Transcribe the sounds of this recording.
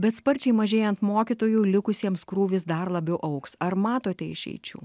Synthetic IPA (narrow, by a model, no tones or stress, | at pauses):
bʲɛt̪spɐɾʲt͡ʃʲɛɪmɐʒʲeːjɛnt̪moːkʲit̪oːjuːlʲɪkʊsʲiɛmskɾuːʋʲɪsd̪ɐɾlˠɐbʲɛʊʔɐʊksɐɾmɑːt̪oːt̪ʲɛɪ̰ʃʲɛ̰ɪt͡ʃʲṵː